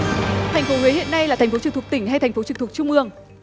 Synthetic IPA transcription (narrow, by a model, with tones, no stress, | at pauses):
t̪ʰa˨˩j̟fo˨˦hwe˨˦hḭ˧˨ənːa˧jlaː˨˩t̪ʰŋ̟fo˨˦t͡ɕɨ˧˩ŋt̪̚ʰt̪ï˧˩ŋ̟ha˧jt̪ʰj̟fo˨˦t͡ɕɨ˧˩ŋt̪ʰk̚t͡ɕʊ˧ŋ͡mʔɨ˧˩əŋ